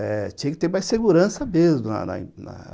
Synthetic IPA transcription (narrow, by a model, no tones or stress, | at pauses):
ɛt͡ʃĩɐkɪ̥t̪eɾmajseɡuɾɐ̃sɐmezmʊnɐ̰nɐ̰̃nɐ̰